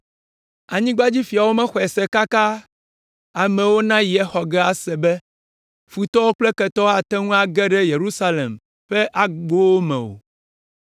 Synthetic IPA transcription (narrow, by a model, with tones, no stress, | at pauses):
a˨ɲĩ˦ɡ͡ba˦d͡ʑi˦fi˨a˨wo˦mɛ̃˦xɔ˨ɛ˨sɛ˦ka˦ka˦ | a˨mɛ̃˨wo˦nã˦ji˨ɛ˦xɔ˨ɡɛ˦a˨sɛ˨bɛ˦ | fu˨t̪ɔ˦wo˦k͡plɛ˦kɛ˨t̪ɔ˦a˨t̪ɛ˦ŋũ˦a˨ɡɛ˦ɖɛ˦je˨ɾu˦sa˦lḛ˨m | ɸɛ˦ʔa˦ɡ͡bo˦wo˦mɛ̰̃˨wo̰˨